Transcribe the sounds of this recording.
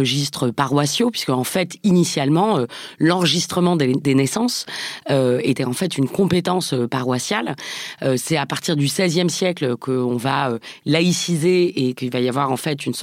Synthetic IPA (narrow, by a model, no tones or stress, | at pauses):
əʒist̪χəpaʁwasjopɥi̥skəɑ̃fɛt̪inisjalmɑ̃ølɑ̃ʁəʒist̪χəmɑ̃d̪ed̪enɛsɑ̃søet̪ɛɑ̃fɛt̪ynkɔ̃pet̪ɑ̃søpaʁwasjaløsɛapaʁt̪iʁd̪ysɛzjɛmsjɛklkʰəɔ̃vaølaisizeekilvajavwaʁɑ̃fɛt̪yns